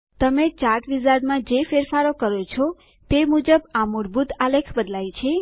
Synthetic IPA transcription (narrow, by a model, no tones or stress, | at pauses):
t̪əmet͡ʃaʈʋizaɾɖmãd͡ʒefeɾfaɾokəɾot͡ʃʰo | t̪emud͡ʒəbamuɾbut̪alekʰbəd̪lajt͡ʃʰe